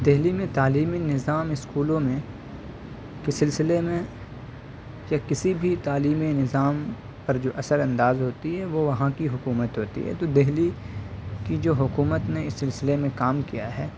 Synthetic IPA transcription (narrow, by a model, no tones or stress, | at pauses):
d̪eɦlimẽt̪aːliːminɪzaːmɪskuːlõmẽ | kɪsɪlsɪlemẽ | jakɪsibʱit̪aːliːminɪzaːm | pɐɾd͡ʒoːʔɐsəɾɐ̃nd̪aːzɦoːt̪iɦɛʋoʋɐɦãkiɦʊkuːmət̪ɦoːt̪ḭɦɛ̰ːt̪oːd̪eɦli | kid͡ʒoːɦʊkuːmət̪neɪsːɪlsɪlemẽkaːmkija̰ɦɛː